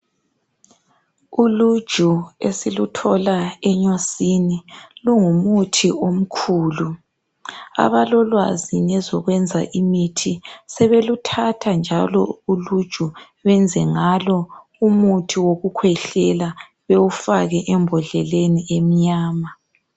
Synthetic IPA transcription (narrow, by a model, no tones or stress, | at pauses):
ulu̥ʒ̥ʱuḛsilutʰɔlaɛɲosiniluŋumutʰiom̩kʰuːlu | a̰βalɔlwa̰zinɛzɔɣwɛnd͡zʱa̰ʔimitʰisɛβelutʰatʰand͡ʒʱalɔ̰ulud̥ʒ̥ʱu | βɛnd͡zʱɛŋalɔ | umutʰiwoɣukʰwɛɬɛla | βewufaɣɛʔɛmbʱɔɮɛleniem̩ɲaːma